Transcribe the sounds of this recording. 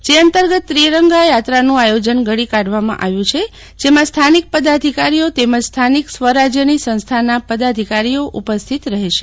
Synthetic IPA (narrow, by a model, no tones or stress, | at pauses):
d͡ʒeənt̪əɾɡət̪ːɾiɾəŋɡajat̪ɾanũajod͡ʒənɡʱəɽikaɽʋamã̰ʔaʋjũt͡ʃʰe | d͡ʒemãst̪ʰanik̚pəd̪ad̪ʱikaɾijot̪emad͡ʒst̪ʰaniksʋəɾad͡ʒjənisə̃ñst̪ʰanapəd̪ad̪ʱikaɾijoʔupəst̪ʰit̪ɾəɦeʃe